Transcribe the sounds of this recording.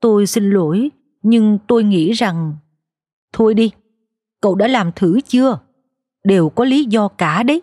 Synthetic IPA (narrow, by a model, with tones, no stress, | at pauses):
t̪o˧jsi˧ŋ̟lo˧˩j | ɲɨ˧ŋt̪o˧jŋḭ˧˥za˨˩ŋ | t̪ʰo˧jɗi˧ | kə̰˧˨wɗa̰ː˧˥laː˨˩mt̪ʰɨ˧˩˦t͡ɕɨ˧ə | ɗe˨˩wkɔ˨˦li˨˦zɔ˧kaː˧˩ɗə˨˦j